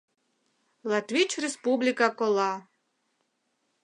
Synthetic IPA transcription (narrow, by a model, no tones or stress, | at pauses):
latʰvit͡ʃʰrespublikʼakʷʼɔlˠa